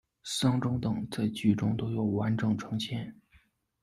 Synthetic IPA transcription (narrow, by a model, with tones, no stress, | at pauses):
sɑ˥ŋʈ͡ʂʊ˥ŋt̪ɤ˨˩ŋt͡sa˥˩ɪt͡ɕy˨˩ʈ͡ʂʊ˥ŋt̪o˥ʊjo˨˩ʊwa˧˥nʈ͡ʂɤ˨˩ŋʈ͡ʂʰɤ˧˥ŋɕʰjɛ˥˩n